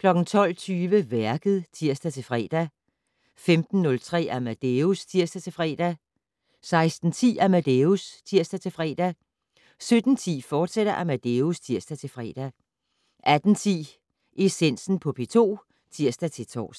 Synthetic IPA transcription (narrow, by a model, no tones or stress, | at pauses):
kʰlɒ̽ɡ̥n̩t͡sʰɒ̽l̰t͡sʰyːʋəʋæɐɡ̥əð̞̩ˠt͡sʰiɐ̰sd̥æt͡sʰe̝lfʁɛ̰ːd̥æ | femd̥n̩ːɔ̽lt͡sʰʁɛ̰ːæmæd̥eust͡sʰiɐ̰sd̥æt͡sʰe̝fʁɛ̰ːd̥æ | sɑ̈ɪsd̥n̩t͡sʰḭːæmæd̥eust͡sʰiɐ̰sd̥æt͡sʰe̝lfʁɛ̰ːd̥æ | sød̥n̩t͡sʰḭːfɒːd̥seɾ̥ɐʔæmæd̥eust͡sʰiɐsd̥æt͡sʰe̝lfʁɛ̰ːd̥æ | ʔæd̥n̩t͡sʰḭː | ʔe̝sen̰sn̩pʰɒ̽pʰe̝t͡sʰo̝̰ː | t͡sʰiɐ̰sd̥æt͡sʰe̝t͡sʰɒ̰ːs